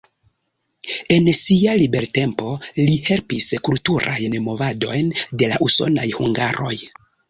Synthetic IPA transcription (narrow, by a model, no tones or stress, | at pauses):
e̞nsialibe̞ɾte̞mpo̞lihe̞lpiskultuɾʔa̰jnmo̞vado̞̰jnde̞laʔuso̞̰na̰jhuŋɡaɾo̞j